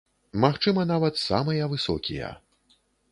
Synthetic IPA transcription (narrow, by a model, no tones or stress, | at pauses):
maxt͡ʂɨmɐnavɐt̪sa̰mɨjɐvɨsɔ̰kʲijɐ̰